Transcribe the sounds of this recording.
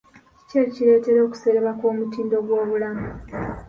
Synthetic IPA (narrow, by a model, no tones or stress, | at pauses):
ceciɾe̞ːte̞ɾo̞ːku̥se̞ɾeβako̞ːmutiːndo̞ɡwo̞ːβulamu